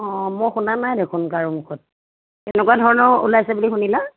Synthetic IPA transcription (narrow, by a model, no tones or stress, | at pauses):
ɔmɔjxunanajdekʰʊnkaɹumukʰɔt̚ | tɛnɛkwadʱɔɹɔnɔṵlajsɛbulixunila